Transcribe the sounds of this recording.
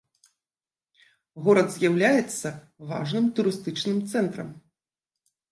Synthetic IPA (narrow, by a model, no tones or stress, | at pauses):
ɣɔɾɐd̪zʲjawlʲajɛt̪sːɐ | va̰ʐnɨmt̪uɾɨst̪ɨt͡ʂnɨmt̪sɛnt̪ɾɐ̰m